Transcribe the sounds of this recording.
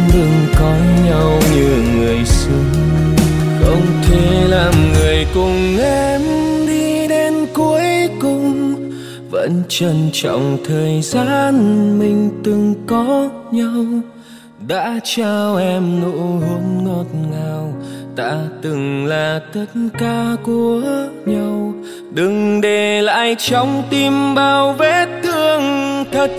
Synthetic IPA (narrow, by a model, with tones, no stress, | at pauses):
ɗ̪ɨ˨˩ŋkɔ˨˦ɲa˧wɲɨ˧ŋɨ˨˩əjsɨ˧˦ŋ | xə̰˧˥wŋ͡mt̪ʰe˨˦laː˨˩mŋɨ˨˩əjkʊ˨˩ŋ͡mʔɛ˧mɗi˧ɗe˧nku˨˧˦əjkʊ˧˩ŋ͡m | və̰˧˥nt͡ɕə˧˩nt͡ɕɔ̰˧˨wŋ͡mt̪ʰəː˨˩jzaː˧nmï˨˩ŋ̟t̪ɨ˨˩ŋkɔ˨˦ɲa˧w | ɗa̰ː˧˥t͡ɕaː˧wʔɛ˧mnṵ˧˥hu˨˦nŋɔ˧t̚ŋaː˨˩wt̪a̰ː˧˥t̪ɨ˨˩ŋlaː˨˩t̪ʰə˧˥t̚nkaː˧ku˨˩əɲa˧w | ɗɨ˨˩ŋɗe˨˩la̰ː˧˥jt͡ɕɔ˨˧˦wŋ͡mt̪i˧mɓaː˧˩wve˧˥t̪ʰɨ˧əŋt̪ʰə˨˩t̚